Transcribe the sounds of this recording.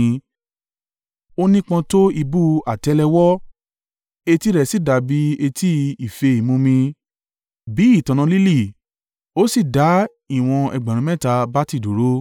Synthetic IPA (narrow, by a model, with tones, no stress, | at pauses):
o˦nĩ˦k͡pã˧to˦i˧bu˦a˨tɛ˨˦lɛ˧wɔ˦ | e˧ti˦ɾɛ˦˨si˦˨da˨˧˨bi˨˦e˧ti˦i˨fe˧i˨mũ˧mĩ˧ | bi˨˦i˦˨tɔ̃˨ñã˧li˦li˦˨ | o˦si˦˨da˨˦ | i˦˨w̃ɔ̃˧ɛ̰˧ɡ͡bã˨ɾ̃ũ˧˦mɛ̃˦˨ta˧ba˦ti˦˨do˨˦ɾo˦